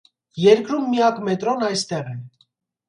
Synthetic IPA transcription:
jɛɾkɾumːijɑkmɛt̪ɾɔnɑjst̪ɛʁɛn

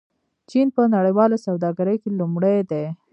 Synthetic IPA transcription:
t͡ʃinpənaɽəjwɑlasawd̪ɑɡaɾəjkelumɽejd̪e

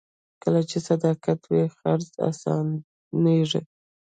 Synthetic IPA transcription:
kəlat͡ʃesad̪ɑkat̪wixaɾza̰sɑ̰n | neʐḛ

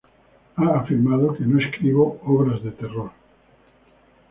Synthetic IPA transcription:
aːfiɾmaðokenoeskɾiβooβɾazðet̪eroɾ

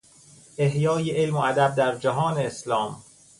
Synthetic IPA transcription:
ʔe̞hjɒːjeʔelmoæd̪æb̚d̪æɾd͡ʒæɦɒːneːslɒːm

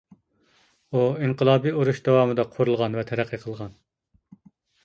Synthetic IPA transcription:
uiɴqəlˠɑːbiuɾuʃd̪ɑwɑːmɨd̪ɑqʰoɾulˠʁɑnvɛt̪ʰɛɾæqʰːəqʰəlˠʁɑn

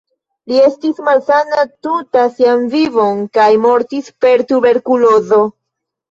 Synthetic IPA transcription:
lie̞stismalsanatutasianvivo̞nkajmo̞ɾtispe̞ɾtube̞ɾkulo̞zo̞

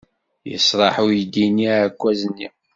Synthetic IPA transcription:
jə̰sɾˤɑħujd̪inːiʕækʷːæznːi

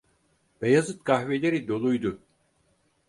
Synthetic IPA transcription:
b̥ejazɯt̪̚kaɦvelʲeɾid̪o̞lˠujd̪u

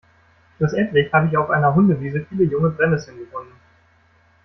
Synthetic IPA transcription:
ʃluːsʔɛntlɪçhaːbəɪçaʊfʔa̰ɪnɐɦʊndəviːzəfiːləjʊŋəbʁɛmɛsənɡəvɔnən

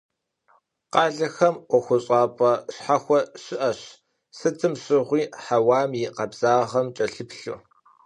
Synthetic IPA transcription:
qɑːɮɐxɐmʔʷɔxʷʊɕʼɑːpʼɐɕħaxʷɔɕɪʔɐɕ | sɨtʰɨmɕɪʁʷiːħawaːmjiqɐbz̥aːʁɐmt͡ʃʼɐɬɨpɬu

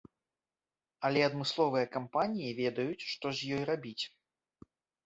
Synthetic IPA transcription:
ɐlʲɛɐd̪mɨslˠɔvɨjɐkampanʲijivʲɛd̪ɐjut͡sʲʂt̪ɔzʲjɔjrabʲit͡sʲ

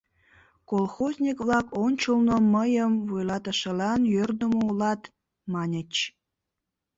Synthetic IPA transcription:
kolˠxozʲnʲikβlɑkonʲt͡ɕulnoməjəmvujlɑt̪ə̆ʃə̆lɑnjørd̪əmoulɑt̪ | mɑnʲət͡ɕ

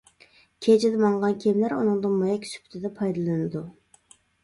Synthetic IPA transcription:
kʲʰet͡ʃʰɪd̪ɛmɑŋʁɑnkʲʰɛmlæɾunɨŋd̪ɨnmɑjɛkʲsy̥pʰy̥t̪ʰɪd̪ɛpʰɑjd̪ɨlˠɨnɨd̪u

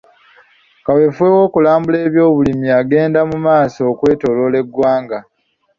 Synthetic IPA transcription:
kawe̞fwe̞wo̞ːkulaːmbule̞ːβjo̞ːβulimiaɡe̞ːndamumaːso̞ːkwe̞ːto̞lo̞ːle̞ɡwaːŋɡa

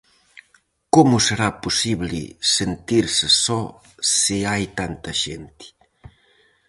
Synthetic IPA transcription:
komuseɾapusiβlḭsent̪iɾsesɔ | siajt̪ant̪ɐʃḛnt̪i̥

